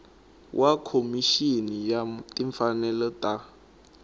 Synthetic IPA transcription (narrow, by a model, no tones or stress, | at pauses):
wʔakʰomiʃinijatʼiɱfanɛlɔtʼa